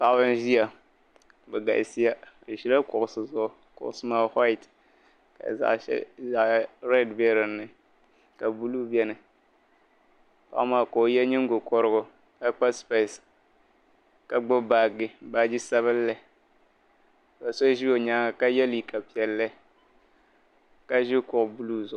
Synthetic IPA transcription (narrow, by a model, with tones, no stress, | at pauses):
pa˨ʔbɨ˦n˦ʒi˦a˨ | bɛ˨ɡa̰˨ʔɪ˨si˦ja˦˨ | ʒi˦la˦kʊ˨ʔʊ˨sɨ˨zʊ˦ʔʊ˨ | kʊ̰˨ʔʊ˦˨sɨ˦maː˦hɔ˦ɪ˨t | ka̰˨za̰˨ʔʃɛ̰˦za˨ʔɾɛ˦dbe˦ɾɨ˨nːɨ˨ | ka˨bu˦lu˦bɛ˦nɨ˨ | pa̰˦ʔmaː˨ko˨˦jɛ˦ɲɪ˦ŋ˦ɡo˨kɔ˦ɾɨ˦ɡʊ˨ | ka˦k͡pa˦spe˨s | ka˨ɡ͡bʊ˦ba˨ɡɪ˦ba˨˦d͡ʒi˦sa˦βɨ˦lːɨ˦˨ | ba˨so˦ʒi˦o˨ɲaː˦˨ka˦jɛ˦li˨ka˨pi˨ɛ˨lːɨ˦ | ka˦ʒɪ˦kʊ˨ʔʊ˨bu˦lu˦zʊ˨˦